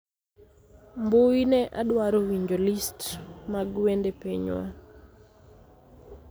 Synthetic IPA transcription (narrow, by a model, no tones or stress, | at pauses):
mboinɛʔadwaɾowiɲd͡ʒolistmaɡwendepeɲwa̰